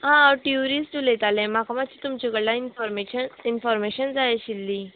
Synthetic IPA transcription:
ɦãaɾʈiuɾiːsʈulet̪alẽmakamat͡ɕiːt̪umt͡ɕikəɽlainfɔɾmeɕəninfɔɾmeɕənd͡zajaɕilːi

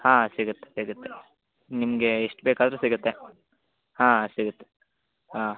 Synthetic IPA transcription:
hãːsiɡut̪ːe̥siɡut̪ːe | nimɐɡe̞ːʂʈbeːkaːd̪ɾesiɡut̪ːe | hãːsiɡut̪ːe̥ | ɦaː

